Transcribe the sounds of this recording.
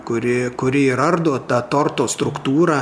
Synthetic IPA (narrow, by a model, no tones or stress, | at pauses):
kʊɾʲɪkʊɾʲɪiɾɐrd̪oːt̪ɑːt̪oːrt̪oːst̪ɾʊkt̪uːɾɑː